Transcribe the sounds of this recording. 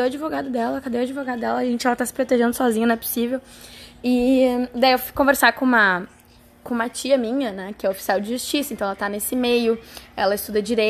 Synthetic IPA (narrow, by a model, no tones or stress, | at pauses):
d̪ejwad͡ʒivoɡad̪ʊd̪ɛlɐkad̪ejwad͡ʒivoɡad̪ʊd̪ɛlɐːʒẽnt͡ʃɪɛlɐt̪asɪ̥pɾot̪eʒẽnd̪ʊsɔzĩɲɐnɛpo̥sivewɪd̪aiewfu̥kõveɾsakõũmɐ | kõũmɐt͡ʃiɐmĩɲɐnɛkɪɛofi̥siawd͡ʒɪʒust͡ʃisɐẽt̪ɐ̃ɛlɐt̪anesɪmejʊɛlɐɪst̪ud̪ɐd͡ʒiɾe